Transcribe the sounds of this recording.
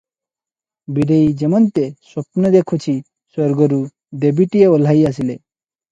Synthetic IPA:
biɖejd͡ʑemɔnt̪esɔpnɔd̪ekʰut͡ɕʰi | sɔɾɡoɾu | d̪ebiʈieol̤ajas̬ile

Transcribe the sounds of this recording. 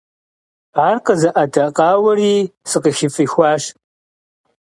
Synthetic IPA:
aːrqəzɐʔɐdʰɐqɑːwɐriːsɨqəxifixʷɑːʃ

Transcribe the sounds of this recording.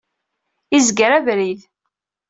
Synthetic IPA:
izɡəɾævɾið

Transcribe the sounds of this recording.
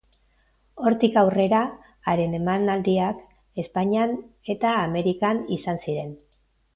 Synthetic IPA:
o̞ɾt̪ikawre̞ɾaː | ɾe̞ne̞manald̪iak | e̞spaɲiane̞t̪aːme̞ɾikanisansiɾe̞n

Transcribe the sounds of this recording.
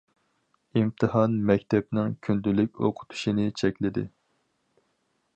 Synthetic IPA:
imt̪ʰɨhɑnmɛkʲt̪ʰɛp̚nɪŋkʲʰynd̪ylyk̚ʲo̰qʰʊ̥t̪ʰu̥ʃinɪt͡ʃʰɛkʲlɪd̪ɪ̰

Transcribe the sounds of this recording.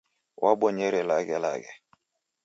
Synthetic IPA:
waɓɔɲɛɾɛlaɡɛla̰ɡɛ

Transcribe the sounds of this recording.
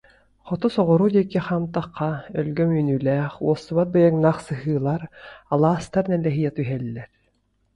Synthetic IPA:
χɔt̪ɔsɔʁɔɾuːd̪iɛkiχaːmt̪aqːaœlɡœmyːnyːlæːχuɔsːuβat̪̚bɯjaŋnaːχsɯɦɯːlˠaɾalˠaːst̪aɾnɛlːɛɦijɛt̪yɦɛlːɛɾ

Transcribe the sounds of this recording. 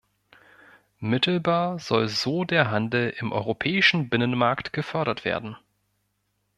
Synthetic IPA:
mɪtl̩baːɐz̥ɔlzoːdeːɐɦandl̩ɪmʔɔ̰ʏʁopʰɛːɪʃn̩bɪnənmaɐktɡ̥əfœɐɾɐtv̥ḛːɐdn̩

